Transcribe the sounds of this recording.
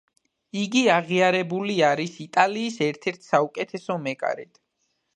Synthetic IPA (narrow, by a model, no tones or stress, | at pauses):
iɡiaʁiaɾɛbuliaɾisit̪ʼaliːsɛɾt̪ʰɛɾt̪ʰsaukʼɛt̪ʰɛsɔmɛkʼa̰ɾɛd̪̥